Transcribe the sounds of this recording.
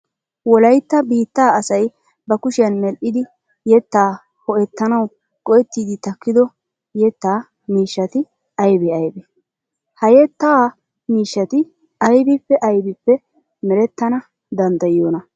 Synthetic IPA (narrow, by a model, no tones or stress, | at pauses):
wɔlɐjt̪ːɐbiːt̪ːaːɐsɐj | bɐkʊʃɪjɐnmɛlʔɪd̪ɪ | jɛt̪ːaː | hɔʔɛt̪ːɐnɐw | kʼɔjɛt̪ːiːd̪ɪt̪ɐkːɪd̪ɔ | jɛt̪ːaː | miːʃːɐt̪ɪ | ɐjbɛɐjbɛ | hɐjɛt̪ːaː | miːʃːɐt̪ɪ | ʔɐjbɪpːɛʔɐjbɪpːɛ | mɛɾɛt̪ːɐnɐ | d̪ɐnd̪ɐjoːnɐ